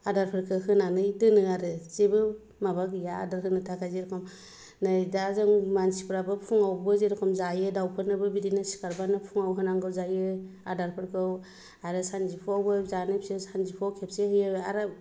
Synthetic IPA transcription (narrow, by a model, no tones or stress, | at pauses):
adaɾpʰɯɾkʰɯkɯnanɯjdɯnɯaɾɯzebɯ | mabaɡja̰ːdaɾkʰɯnɯtʰakʰazeɾkʰɯm | najdazɯŋmansipɯɾabɯpʰuŋawbɯzeɾkʰɔmzajɯdawpʰɯnɯbɯbidinɯsi̥kaɾbanɯpʰuŋawɦɯnaŋɡɯzajɯadaɾpʰɯɾkʰɯw | aɾɯsanzipʰoawbɯzanɯpsesanzipʰawkʰep̚sehɯjɯbɯaɾɯ